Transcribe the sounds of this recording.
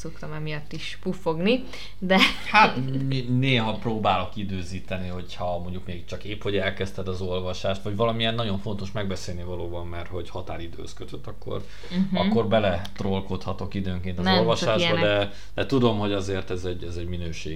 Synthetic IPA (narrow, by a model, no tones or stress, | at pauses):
sokt̪ɒmɛmijɒt̪ːiʃpufo̞ɡni | d̪ɛ | hat̪mineːɦɒproːbaːlo̞kid̪øːziːt̪ɛniho̞chɒmo̞ɲɟukmeːɡikt͡ʃɒkeːpho̞ɟɛlkɛst̪ɛd̪ɒzo̞lvɒʃaːʃt̪vɒɟvɒlɒmijɛnːɒɟo̞ɱfo̞nt̪o̞ʃmɛɡ̚bɛseːlnivɒloːbɒmːɛrt̪ho̞ɟhɒt̪aːlid̪ø̰ːskøt̪øt̪ːɒkːo̞̰r | ɒkːo̞rbɛlɛt̪rolkot̪hɒt̪o̞kid̪øːŋkeːnt̪ɒolvɒʃaːʒbɒd̪ɛ | d̪̥ɛt̪ud̪o̞mho̞ɟɒzeːrt̪ɛzɛɟɛzɛɟminøːʃeː